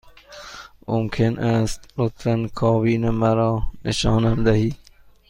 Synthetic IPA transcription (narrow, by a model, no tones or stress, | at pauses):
momkʰenʔæst̪lot̪fænkʰɒːbiːnemæɾɒːneʃɒːnæmd̪æhiːd̪̥̚